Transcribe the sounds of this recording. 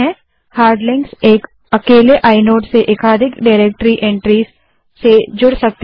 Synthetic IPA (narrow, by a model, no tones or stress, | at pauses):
ɛ̃ | haːɾɖlɪ̃ŋɡseːk | ɐkeːleʔaːɪnoːʈseʔeːkaːd̪ʱɪkɖaːɾeːk̚ʈɾiʔɛ̃ɳʈɾiːz | sed͡ʒʊɽsɐk̚t̪